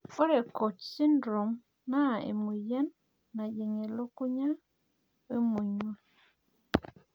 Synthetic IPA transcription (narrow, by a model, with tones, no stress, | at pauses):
ɔ˦ɾe˨ko˨t͡ʃsi˦ndɾo˨m | na˦˨ḛ˨mu˨jɛ˦nː | a˨d͡ʒe˨ŋe˨lo˦ku˦ɲa˦ | we˦mu˨ɲwe˦˨